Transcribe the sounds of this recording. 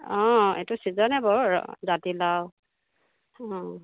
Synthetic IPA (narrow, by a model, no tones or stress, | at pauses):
ɔ̃ḛtusizɔnɛbɔɹɹ̰zatilaw | ɔ̃